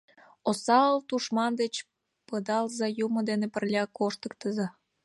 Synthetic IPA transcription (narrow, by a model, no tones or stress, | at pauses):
osɑəlt̪uʃmɑnd̪et͡ɕ | pəd̪ɑlzɑjumə̆d̪enepərlʲɑkoʃt̪əkt̪əzɑ